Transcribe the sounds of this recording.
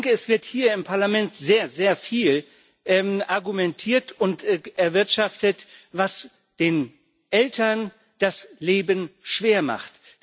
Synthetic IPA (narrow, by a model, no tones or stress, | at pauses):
ŋkəɛsv̥ɪɐthiːɐɪmpʰaɐlamɛntz̥eːɐzeːɐfiːl | ʔɛmʔaɐɡumɛntʰiːɐtʊntɛɐvɪɐtʃaftətvas | d̥eːn | ʔɛltʰɐn | d̥asleːbənʃv̥eːɐma̰χt